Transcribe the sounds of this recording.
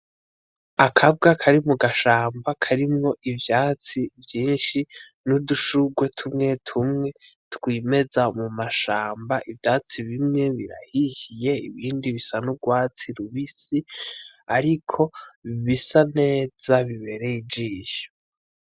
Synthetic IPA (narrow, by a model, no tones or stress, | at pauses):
akʰab̚ɡakʰaɾimuɡaʃaːmbakʰaɾimŋo̞ʔivjaːt͡sivjiːnʃi | nuduʃuɡwe̞tʰumŋe̞tʰumŋe̞ | tkwiːme̞zamumaʃaːmbaʔivjaːt͡siβimŋe̞βiɾa̰hihije̞iβiːndiβisanuɡwaːt͡siɾuβisiaɾikʰo̞βisane̞ːd͡zaβiβe̞ɾe̞id͡ʒiːʃo̥